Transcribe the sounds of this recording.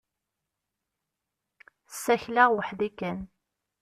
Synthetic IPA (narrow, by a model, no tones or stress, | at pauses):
sːæçlaʁwəħðikːæn